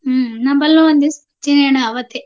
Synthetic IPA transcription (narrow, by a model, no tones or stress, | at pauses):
nɐmbɐlːoʋɐnd̪is | t͡ʃineɳɐɐʋɐt̪e